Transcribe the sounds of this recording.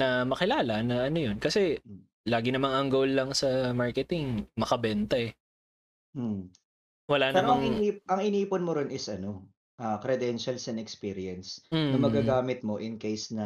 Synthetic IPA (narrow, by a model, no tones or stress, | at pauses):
nɐmɐkɪlaːlɐnɐʔɐnojonkɐsɛ | laːɡɪnɐmaŋɐŋɡowlːɐŋsɐmaɹkɛt̪ɪŋmɐkɐbɛnt̪ɐɛ | wɐlanɐɾoɐŋɪniʔɐŋɪniːponmoɾɪnɪsʔɐno̞ | ʔakɾɛd̪ɛnʃɐlsɐnɛkspiɾɪɐnsm̩ɐmɐɡaɡaːmɪt̪̚moʔɪnkejsnɐ